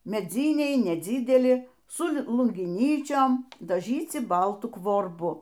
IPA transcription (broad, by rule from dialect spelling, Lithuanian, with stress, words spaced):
mʲɛˈd͡zʲiːnʲɛɪ nʲɛd͡zʲiːdʲɛˈlʲɪ sʊ lˠʊŋʲɡʲɪˈnʲiːt͡ʃʲoːm dɐˈʒʲiːt͡sʲɪ ˈbɐlˠtʊ kʋoːrˈbʊ